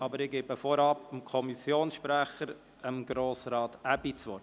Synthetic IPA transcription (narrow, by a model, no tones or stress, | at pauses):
ɑbəɾɪɡ̥ebəfɔɾɑpəmkʰɔmisjoːnsʃpɾæχəɾ | əmɡ̥ɾoːsɾɑːt̪æbit͡sʋɔ